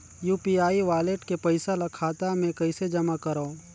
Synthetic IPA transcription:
juːpiaːiʋaːleʈkepɐɪsalakʰaːt̪amẽkɐɪsed͡ʒɐmakɐɾaõ

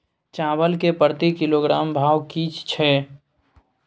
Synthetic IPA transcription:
t͡ʃaːbəlkepəɾt̪ikɪloɡɾaːmbʱaːwkit͡ʃt͡ʃʰɛ

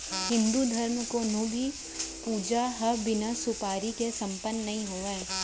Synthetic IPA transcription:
ɦɪ̃nd̪ud̪ʱɐɾmkonobʱi | puːd͡ʒaɦɐbɪnasʊpaːɾikesɐ̃mpənːɐɦĩɦoːẽː

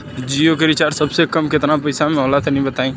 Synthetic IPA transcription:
d͡ʒiokeɾit͡ʃaːɾsəbsekəmkɪt̪nãpəɪsamẽoːlat̪enəɦĩbət̪aːĩː

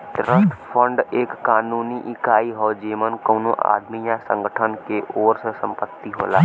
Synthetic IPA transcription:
t̪ɾəsʈ̪pʰə̃ɳɖeːkːaːnuːniʔɪkaːiɦɔːd͡ʒeːmənkoːnõʔa̰ːd̪mijãsə̃ŋɡəʈʰənkeʔoːɾsəsə̃mpət̪ːiɦo̰ːlaː

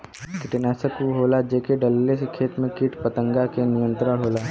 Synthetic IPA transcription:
kɪʈɪnaːsəkuɦoːlad͡ʒeːkeɖəlːesekʰeːt̪mẽkiʈpət̪ə̃ŋɡakenɪjə̃nt̪ɾəɽɦoːlaː

